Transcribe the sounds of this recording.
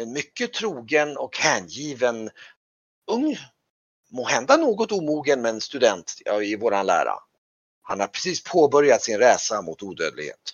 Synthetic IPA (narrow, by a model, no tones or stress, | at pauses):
ɛnmʏkːət̪ʰɾuːɡənɔkhæɳjiːvən | ɵŋː | moːhɛnd̪anoːɡɔt̪uːmuːɡənmɛnst̪ɵd̪ɛnt̪ːɪvoːɾanlæ̰ːɾa̰ | hanhaɾpʰɾɛ̥siːspʰoːbœɾjat̪sɪnɾɛːsamʊt̪uːd̪ø̰ːd̪lɪɡhḛːt̪